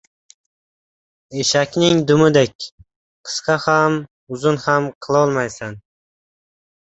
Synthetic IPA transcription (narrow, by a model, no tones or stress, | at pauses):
eʃakʲnɪŋd̪ʊmɪd̪ekʲ | qʰɨ̥sqɑham | ʊzʊnhamqʰɨlˠɒlˠmajsan